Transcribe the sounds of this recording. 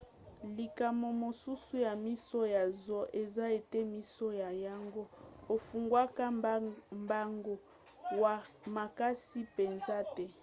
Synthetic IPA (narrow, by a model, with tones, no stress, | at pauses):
li˨ka˨mo˨mo˨su˦su˦ja˨mi˦sɔ˦ja˨zɔ˦ʔe˨za˦e˨tɛ˦mi˦so˦ja˨ja˦ŋɡo˦o˨fu˨ŋɡwa˦ka˦mba˦ŋɡo˨ | wa˨ma˨ka˦si˦pe˨nza˦tɛ˦